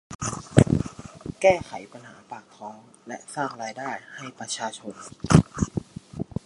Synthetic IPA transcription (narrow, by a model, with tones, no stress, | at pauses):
kɛː˥˩kʰa˩˦jpa˧nɦa̰ː˩˦paː˨˩kkʰɾɔː˦˥ŋ | lɛ̰˦˥saː˥˩ŋɾaː˧jdaː˥˩jha˥˩jpɾa˧˥t͡ɕʰaː˧t͡ɕʰo˧n